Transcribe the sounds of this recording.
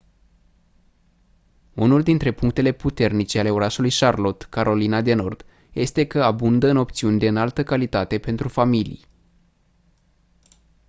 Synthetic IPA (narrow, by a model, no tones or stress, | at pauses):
unuld̪int̪ɾe̞puŋk̚t̪e̞le̞put̪e̞rnit͡ʃe̞ale̞o̞ɾaʃulujʃarlo̞t̪kaɾo̞linad̪e̞no̞rd̪̥ | je̞st̪e̞kəabund̪əɨno̞p̚t̪siunʲd̪e̞ɨnalt̪əkalit̪at̪e̞pe̞nt̪ɾufamilḭj